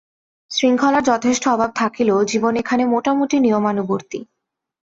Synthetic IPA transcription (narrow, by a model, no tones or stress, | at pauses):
sɾiŋkʰɔlaɾd͡ʑɔt̪ʰeʃʈoɔbʱab̚t̪ʰakilod͡ʑibonekʰanemoʈamuʈinijomanuboɾt̪i